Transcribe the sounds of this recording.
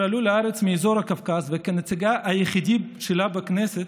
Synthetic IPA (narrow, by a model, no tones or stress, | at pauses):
aluleaɾet͡smiːzo̞ɾhakafkazvekenet͡siɡaʔajeχid̪iʃelabekneset̪